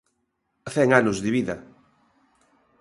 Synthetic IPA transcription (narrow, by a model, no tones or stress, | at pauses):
θɛŋanʊzðɪβiðɐ